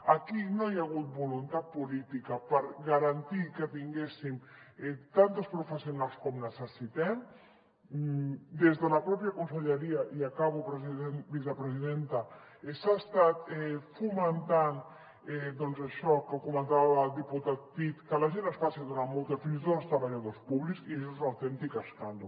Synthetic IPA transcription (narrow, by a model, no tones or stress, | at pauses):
ɐkinojaɣut̪̚bulunt̪at̪̚pulit̪ikəpəɾɣəɾant̪ikət̪iŋɡesimɛt̪ant̪əspɾufəsiunalˠskɔmnəsəsit̪ɛm | d̪ezðələpɾɔpjəkunsəʎəɾiəʔiakaβupɾəzienbis̬əpɾəziðent̪ə | esast̪at̪ɛfumənt̪an | ed̪ɔnzaʃɔkəkumə̃nt̪aβald̪iput̪at̪̚pit̪kəlaʒenəsfaseðunamolˠt̪efinsit̪oast̪ɾaβaʎaðospuβliksieʃezunawt̪ɛnt̪ikaskand̪u